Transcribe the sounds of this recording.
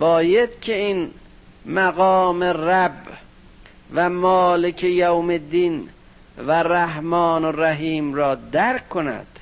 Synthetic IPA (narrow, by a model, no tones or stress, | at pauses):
bɒːjed̪̥̚kʰein | mæɣɒːmeræb | væmɒːlekʰejowmed̪in | væræɦmɒːnoɾæɦiːmɾɒːd̪æɾkʰːonæ̰d̪̥